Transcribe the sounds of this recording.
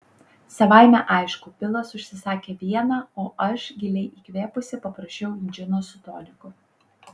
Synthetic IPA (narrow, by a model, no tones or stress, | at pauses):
sɐʋɑˑɪmʲæʔɑˑɪʃkʊːpʲɪlˠɐsʊʃʲsʲɪsɑːkʲeːʋʲiɛnɑːoːʔɐʃɡʲɪlʲɛɪʔiːkʲʋʲeːpʊsʲɪpɐpɾɐʃʲt͡ʃʲɛʊɪnʲd͡ʒʲɪnoːsʊt̪o̰ːlʲɪkʊ